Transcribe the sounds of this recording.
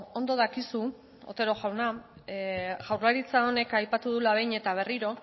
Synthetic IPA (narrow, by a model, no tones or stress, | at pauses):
ond̪o̞ðakisu | o̰t̪e̞ɾo̞ʝawna | ʝawrlaɾit͡sao̞ne̞kajpat̪uðulaβ̞e̞jɲe̞t̪aβ̞e̞riɾo̞